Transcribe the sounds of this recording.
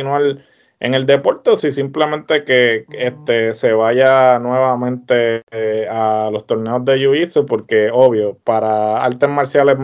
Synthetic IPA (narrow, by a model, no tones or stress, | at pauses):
nwal | ḛŋe̞ld̪e̞po̞ɾt̪esisimple̞mẽ̞nt̪e̞ke̞est̪e̞se̞βaʝanwe̞βamẽnt̪e̞ | alo̞st̪o̞ɾneo̞zd̪e̞juisopo̞ɾke̞o̞βjo̞paɾaa̰lt̪e̞zmaɾsjale̞ɦ